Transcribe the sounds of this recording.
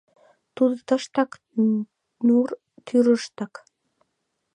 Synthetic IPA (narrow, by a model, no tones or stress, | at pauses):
t̪ud̪ət̪ə̆ʃt̪ɑk | nur | t̪ʰyɾəʃt̪ɑk